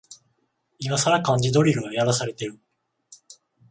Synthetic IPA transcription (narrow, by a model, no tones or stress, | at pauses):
imasaɾakãɲ̟d͡ʑid̪o̞ɾʲiɾɯ̟ɡajaɾasaɾe̞t̪e̞ɾɯ̟